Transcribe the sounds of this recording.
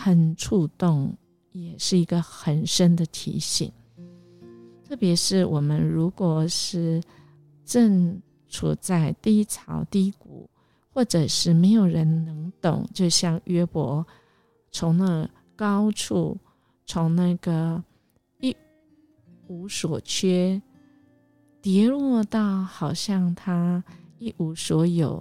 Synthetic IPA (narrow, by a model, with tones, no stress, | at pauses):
xə˨˩nʈ͡ʂʰu˥˧t̪ʊ˥˩ŋ | jɛ˨˩ʂɻ̩˥˩i˧˥ɡə˧xə˨˩nʂə˥nd̪ə˨t̪ʰḭ˧˥ɕḭ˨˩˦ŋ | t̪ʰɤ˥˩pjɛ˧˥ʂɻ̩˥˩wʔɔ˨˩mə˦nɻu˧˥kwɔ˨˩ʂɻ̩˥˩ | ʈ͡ʂə˥˩ŋ | ʈ͡ʂʰṵ˨˩t͡sa˥˩ɪt̪i˥˧˥t͡sʰɑ˨˧˥ʊt̪i˥˩˦kṵ˨˩˦ | xwɔ˥˩ʈ͡ʂə˨˩ʂɻ̩˥˩me˧˥ɪjo˨˩ʊɻə˧˦nnɤ˧˥ŋt̪ʊ̰˨˩ŋt͡ɕjo˥˧ʊɕjɑ˥˩ŋɥɛ˥pwɔ˧˦ | t͡sʰʊ˧˥ŋnə˥˩ | kɑ˥ʊʈ͡ʂʰu˥˩ | t͡sʰʊ˧˥˦ŋna˥˧ɡə˩ | i˥˩ | u˧˥swɔ˨˩t͡ɕʰɥɛ˥ | t̪jɛ˧˥lwɔ˥˧t̪ɑ˥˩ʊxɑ˨˩ʊɕjɑ˥˧ŋt̪ʰa˥i˥˩ʔu˧˥swɔ˧˥jo˨˩˦ʊ